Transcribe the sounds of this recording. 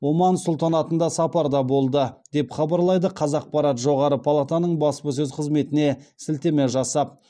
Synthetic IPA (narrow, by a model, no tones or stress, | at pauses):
womɑnsʊlˠt̪ɑnɑt̪ənd̪ɑsɑpɑɾd̪ɑbo̞lˠd̪əd̪̥e̞pχɑbɑɾlˠɑjd̪əqʰɑzɑq̚pɑɾɑt̪ʒo̞ʁɑɾəpʰɑlˠat̪anəɴbɑspəs̬ɵzqʰəzme̞t̪ɪne̞sɪlt̪e̞meʒɑsɑp̚